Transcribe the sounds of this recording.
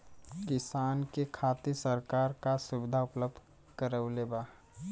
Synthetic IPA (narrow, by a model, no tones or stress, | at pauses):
kɪsaːnkekʰaːt̪isəɾkaːɾkasʊbɪd̪ʱaʊpləb̚d̪ʱ | kəɾəʊleba